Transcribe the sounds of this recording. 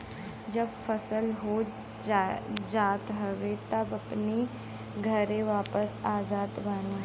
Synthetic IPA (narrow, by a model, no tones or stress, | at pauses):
d͡ʒɐbfəsəlɦo | d͡ʒaːt̪ɦɐʋet̪ɐbɐpni | ɡʱɐɾẽʋaːpəsaːd͡ʒaːt̪baːneː